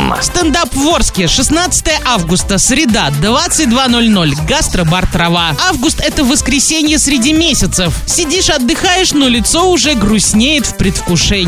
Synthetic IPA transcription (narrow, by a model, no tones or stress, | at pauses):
mːə̰fst̪ɐnd̪apvo̞rskʲɪʂɨsnat̪sə̥t̪əjəʔavɡʊst̪əsɾʲɪd̪ad̪vat̪sɨt̚ʲd̪vano̞lʲnolʲɡast̪ɾəbart̪ɾɐvaavɡʊst̪ɛt̪əvəskɾʲɪsʲenʲɪjəsɾʲɪdʲimʲesʲɪt̪səfsʲɪdʲiʂɐd̪ːɨxajɪʂnolʲɪt̪so̞ʊʐɛɡɾʊsʲnʲejɪt̪fpɾʲɪt̪fkʊʂɛnʲ